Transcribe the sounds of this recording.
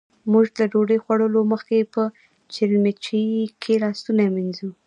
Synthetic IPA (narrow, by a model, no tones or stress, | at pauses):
muʒlaɖoɖəjxwaɽəloməxkepə | t͡ʃɪlmet͡ʃikʰelɑst̪unaminzu